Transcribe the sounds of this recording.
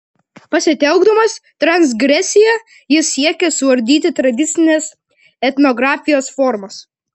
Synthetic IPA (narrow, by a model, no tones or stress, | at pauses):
pɐsʲɪt̪ʲɛʊɡd̪ɐmɐst̪ɾɐnsɡɾʲɛsʲɪjɛ | jɪsːʲiɛkʲɛsʊʋɐɾʲd̪ʲiːt̪ʲɪt̪ɾɐd̪ʲɪt̪sʲɪnʲes | ɛt̪ʲnɔɡɾɑːfʲɪjoːsfɔɾmɐs